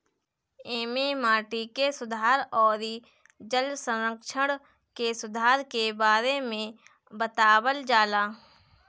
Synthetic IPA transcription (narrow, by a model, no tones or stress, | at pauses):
eːmemaːʈikesʊd̪ʱaːɾɔːɾi | d͡ʒəlsə̃nɾəkʃəɽ̃ | kesʊd̪ʱaːɾkebaːɾemẽ | bət̪aːwəld͡ʒaːlaː